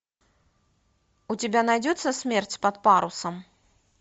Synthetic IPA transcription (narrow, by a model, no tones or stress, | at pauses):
ut͡sʲɪbʲanajd͡zʲɔt̪sːɐsʲmʲɛrt͡sʲpɐt̪paɾusɐm